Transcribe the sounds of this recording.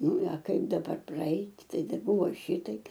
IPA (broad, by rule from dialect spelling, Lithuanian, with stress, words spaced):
ˈnʊ ɐ ˈkɐɪp dɐˈbɐr prɐˈɐɪtʲ ˈtɐɪ dɐˈbʊʋoː ˈʃʲɪtɐɪp